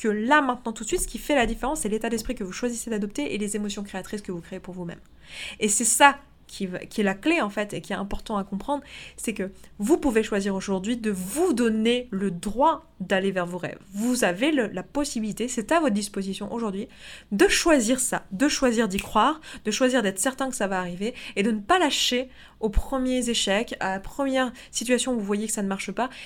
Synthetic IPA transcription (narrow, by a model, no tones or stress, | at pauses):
kəlamɛ̃t̪nɑ̃t̪ut̪sɥit̪sə̥kʲifɛlad̪ifeʁɑ̃sːɛlet̪ad̪ɛspχikəvuʃwazised̪ad̪ɔp̚t̪eʔelezemɔsjɔ̃kχeat̪χiskəvukχeepuʁvumɛ̰m | esɛsa | kʲʰiva̰kʲiɛlakleɑ̃fɛt̪ekʲiɛt̪ɛ̃pɔʁt̪ɑ̃akɔ̃pχɑ̃d̪ʁsɛkəvupuveʃwaziʁoʒuʁd̪ɥid̪əvud̪ɔneləd̪ʁwa | d̪alevɛʁvoʁɛ̰vvuzaveləlapɔsibilit̪esɛt̪avɔt̪χd̪ispozisjɔ̃ʔoʒuʁd̪ɥid̪əʃwaziʁsad̪əʃwaziʁd̪ikχwaːʁd̪əʃwaziʁd̪ɛt̪χsɛʁt̪ɛ̃kə̥savaːʁiveed̪ənəpalaʃe | opχəmjezeʃɛka̰lapχəmjɛʁ | sit̪ɥasjɔ̃vuvwajekə̥sanəmaʁʃəpa